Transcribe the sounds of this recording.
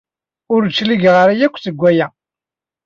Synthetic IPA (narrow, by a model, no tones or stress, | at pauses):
ʊɾt͡ʃːliɡʁɾajækʷːθəɡʷːæjæ